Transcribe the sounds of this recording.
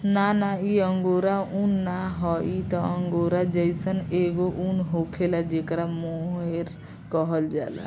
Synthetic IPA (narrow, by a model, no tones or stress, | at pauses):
nanaiəŋɡoɾaunːaɦɔit̪ɔəŋɡoɾad͡ʒəɪsəneɡoʔunɦokʰelad͡ʒekɾamoɦeɾ | kɔɦəld͡ʒa̰la̰